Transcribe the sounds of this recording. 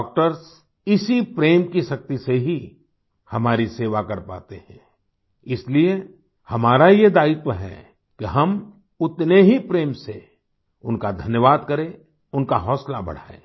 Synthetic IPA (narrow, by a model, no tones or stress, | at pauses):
k̚ʈəɾs | ɪsipɾeːmkiʃɐk̚t̪iseɦi | hɐmaːɾiseːʋakɐɾpa̰ːt̪ehɛ̃ː | ɪslie | hɐmaːɾajed̪aːɪt̪əɦɛ̰ | keɦɐm | ʊt̪neɦipɾeːmse | ʊnkad̪ʱɐnjəʋaːd̪kɐɾe | ʊnkaɦɔːslabɐ̰ɽ̤a̰ːḛː